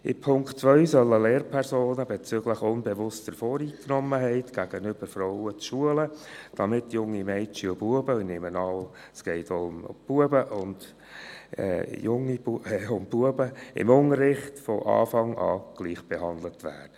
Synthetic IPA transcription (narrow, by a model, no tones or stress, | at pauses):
ɪ̰pʰʊŋktt͡svœʏsœlːəleːrpʰɛɾzoːnəbeɛt͡sʏɡləχʊnbɛʋʊstəɾfɔːɾiːknɔmːəɦɛɪtɡ̥æɡ̥ənʏb̥əɾfɾɔʊət͡sʃuələd̥ɑmɪtːjʊŋːimɛɪt͡ʃiʊbuəbəinɪmənɑl | sɡ̥ɛɪtʊmb̥uəbəʔʊnd̥ | ɛ̰jʊŋːiuʊmbuəbəɪ̰mʊŋəɾːɪχtfɔʔɑ̰ːfɑŋɑ̰ːɡ̥liːχb̥ɛɦɑnd̪lətʋæ̰ːdə